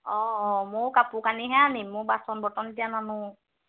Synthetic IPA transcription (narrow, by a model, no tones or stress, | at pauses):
ɔ̃mʊkapʊkaniɦɛanimʊbasɔnbʱɔtɔndijananʊ̃